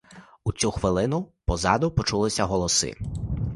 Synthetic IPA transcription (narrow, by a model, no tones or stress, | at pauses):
ut͡sʲuxʋɪlˠɪnʊpɔzɑd̪ʊpɔt͡ʃulˠɪsʲɐɦɔlˠɔsɪ̰